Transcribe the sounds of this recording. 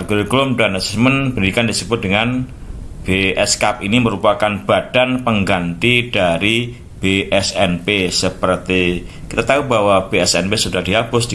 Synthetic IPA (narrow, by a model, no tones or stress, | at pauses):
rɡuɾiɡlʊmdanasi̥smənbəndikandisəbʊt̪̚dəŋan | b̥eʔɛskap̚iniməɾupakanb̥ad̥anpəŋɡant̪id̥aɾi | b̥eʔɛsɛnpesəpərt̪ikit̪at̪aubawab̥eɛsɛ̰npesudahd̥iɦabʊsd̥i